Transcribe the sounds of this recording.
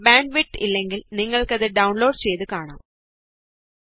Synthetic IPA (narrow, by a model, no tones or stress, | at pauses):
baːɳɖʋiʈːilːeŋɡilniŋːɐɭkɐðɨɖɐʊɳloːɖt͡ɕejt̪ɨkaːɳa̰ːm